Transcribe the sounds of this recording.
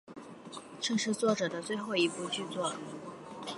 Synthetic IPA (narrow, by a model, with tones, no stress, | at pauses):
ʈ͡ʂɤ˥˧ŋʂɻ̩˥˧t͡swɔ˥˩ʈ͡ʂɤ˨˩d̪ə˦t͡swe˥˧ɪxo˥˩ʊi˧˥pu˥˧t͡ɕy˥˧t͡swɔ˥˩